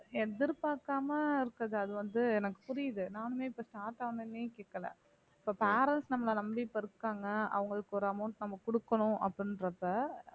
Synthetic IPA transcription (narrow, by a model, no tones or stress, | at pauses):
ɛðɪɾpaːɾkaːmɐɪɾɯkːɐðɯɐðɯʋɐnd̪ɯɛnɐkːɯ̥pʊɾɪjɐðɯnaːnɯmeːɪpːoːsʈaːɾʈɐʋɐnɐnːiːkeːkːɐlɐ̰ | ɪpːoːpeːɾɛnsnɐmːɐlãnɐmɽiɪpːɐɪɾɯkːaːŋɡɐɐ̰ʋɐŋɡɐɭɯkːɔɾɯɐmɐʊɳʈnɐmːɐkʊɽɯkːɐnʊ̃ʔɐ̰pːɽɪnɾɐpːɐ